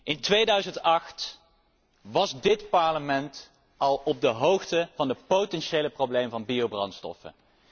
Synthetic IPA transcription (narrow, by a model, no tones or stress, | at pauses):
ɪntʋejdœɥzəntɑχt | ʋɑzdɪtpɑɹləmɛnt | ɑlˠɔb̚dəɦowxtəv̥ɑndəpotɛnʃejləprowblejməvɑnbiowbrɑ̰ntstɔ̰fə̰n